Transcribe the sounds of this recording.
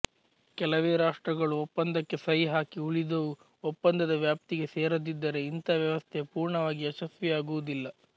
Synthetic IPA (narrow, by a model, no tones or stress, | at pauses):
kɛlɐʋeːɾaːʂʈɾɐɡɐɭuɔpːɐnd̪ɐkːe̞sɐɦiɦaːkiuɭid̪oʋu | ɔpːɐnd̪ɐd̪ɐʋjaːp̚t̪iɡe̞seːɾod̪id̪ːɐɾe̞int̪ɐʋjɐʋɐst̪ʰepuːɾɳɐʋaːɡiɐʃɐsʋɐjaːɡuʋud̪ilːɐ